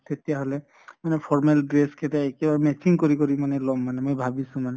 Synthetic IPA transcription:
tetijaɦolɛ | manɛpʰɔɹmelɡɹeskʰetaekɛbaɹɛmɛsiŋkoɹikoɹimanɛlɔmːanɛmojbʱabisũmanɛ

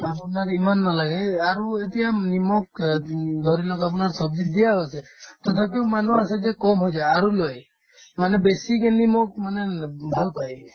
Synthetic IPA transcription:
apunaɾimanːalaɡɛaɾuet̪ijanimɔk̚d̪ʱɔɾilɔkap̬unaɾsɔbd͡ʒid̪ijaɦɔjsʰɛt̪ɔt̪ʰapimanuasɛd͡ʒɛkɔmɦojd͡ʒajaɾulɔj | manɛbesikenimɔk̚manebʱalpaj

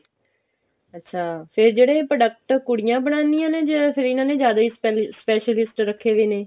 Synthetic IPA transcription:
ətːʃʰaːpʰɪɾd͡ʒeːɽeːpɾəɖək̚ʈkʊɽijãːbəɳãːnd̪ijãːneːd͡ʒəpʰɪɾɪnãːneːzjaːd̪aːiːspɛːʃəlɪsʈɾəkʰːeːʋeːneː

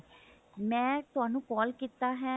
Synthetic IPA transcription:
mɛ̃ːt̪ʊaːnũːkɔːlkiːt̪aːɦɛː

